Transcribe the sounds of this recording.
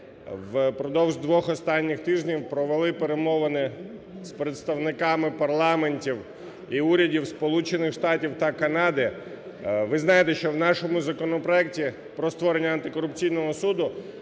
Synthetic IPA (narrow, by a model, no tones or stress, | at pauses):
ʋpɾɔd̪ɔwʒd̪ʋɔxɔst̪ɑnʲːɪxt̪ɪʒnʲiwpɾɔʋelˠɪpeɾemɔʋɐnɪ | spɾet̪st̪ɐwnɪkɑmɪpɐrlˠɑmenʲtʲiw | iuɾʲɐdʲiwspɔlˠut͡ʃenɪxʃt̪ɑtʲiwt̪ɐkɐnɑd̪ɪ | ʋɪznɑjet̪ɛʃt͡ʃɔwnɑʃɔmʊzɐkɔnɔpɾɔɛk̚tʲi | pɾɔst̪ʋɔɾenʲːɐɐnt̪ɪkɔɾʊpt͡sʲijnɔɦɔsud̪ʊ